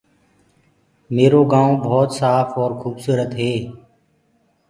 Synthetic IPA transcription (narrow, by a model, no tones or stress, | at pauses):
meːɾoːɡãːõːbʱɔːt̪saːfɔːɾxʰuːbsuːɾət̪ɦeː